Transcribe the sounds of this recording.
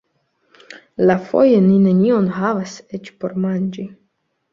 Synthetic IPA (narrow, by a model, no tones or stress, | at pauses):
lafo̞̰jeninenʲionɦavaset͡ʃpo̞ɾmanʲd͡ʒi